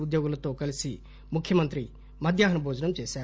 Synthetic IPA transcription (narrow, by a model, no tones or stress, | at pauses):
ud̪joːɡɐlɐt̪oːkɐlisi | mukʰjɐmɐnt̪ɾi | mɐd̪ʱjaːɦɐnɐbʱoːd͡ʒɐnɐmt͡ʃeːsaː